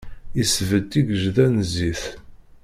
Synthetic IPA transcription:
isvəd̪iɡəʒðænziθ

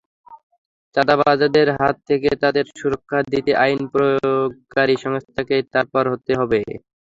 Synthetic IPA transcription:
t͡ɕad̪abad͡ʑad̪eɾɦat̪ʰːeket̪ad̪eɾʃuɾokʰːad̪it̪eʔajnpɾoooɡkaɾiʃɔŋst̪ʰaket̪aɾpaɾɦot̪eɦɔbe

